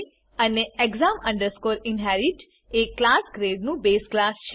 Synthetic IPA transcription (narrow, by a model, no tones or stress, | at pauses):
əneeɡzamə̃ɳɖəɾskoɾɪnɦɛɾiʈ | eklasɡɾeɖnũbesklasʃ